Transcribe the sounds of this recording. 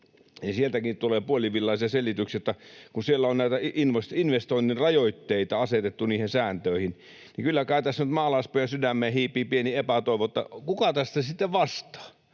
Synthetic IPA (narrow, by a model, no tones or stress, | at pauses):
nisielt̪ækitt̪uleːpuoliʋilːɑisiɑselit̪yksijot̪ːɑkunsielːæonnæˑit̪æinʋosinʋest̪oinːinrɑjoit̪ːeit̪ɑɑset̪et̪ːuniːhensæːnt̪øˑihin | nikylːækæˑyt̪æsːnyt̪mɑːlɑspojɑsydæmːˑeːhiːpːˑiːpieniepæt̪oˑiʋot̪ːɑ̰kukɑt̪æst̪æsit̪ːeʋʋɑst̪ɑ̥ː